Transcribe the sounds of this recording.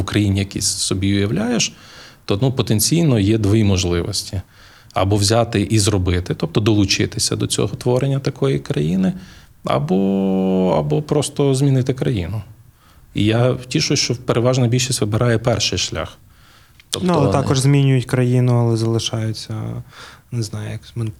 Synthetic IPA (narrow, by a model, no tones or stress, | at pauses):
ʊkɾɐjinʲijɐkʲḭsʲsɔbʲiʊjɐʋlʲajeʃ | t̪ɔnupɔt̪enʲt͡sʲijnɔjɛd̪ʋɔjimɔʒlˠɪʋɔ̰sʲtʲi | ɐ̰bɔʋzʲat̪ɪʔizrɔbɪt̪ɪt̪ɔp̚t̪ɔd̪ɔlˠʊt͡ʃɪ̰t̪ɪsʲɐ̰d̪ɔt͡sʲɔ̰ɦɔt̪ʋɔɾenʲːɐt̪ɐkɔjikɾɐjinɪ | ɐ̰bɔ | ɐ̰bɔpɾɔst̪ɔzmʲinɪt̪ɪkɾɐjḭnʊ | ḭjatʲiʃʊʃt͡ʃɔpeɾʔeʋɑʒnɐbʲilʲʃisʲtʲʋɪbɪɾɑjɛpɛrʃɪjʃlʲa̰x | t̪ɔpnullˠɛt̪ɑkɔʒzʲmʲinʲʊjʊtʲkɾɐjinʊɐlˠɛzɐlˠɪʃɑjʊt͡sʲːɐ | nɪznɑjʊjɐkmɪn